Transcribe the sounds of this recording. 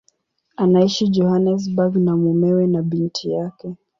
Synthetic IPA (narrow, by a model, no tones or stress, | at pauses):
anaiʃid͡ʒɔhanɛs̬baɡnamumɛwɛnaɓintʰijakɛ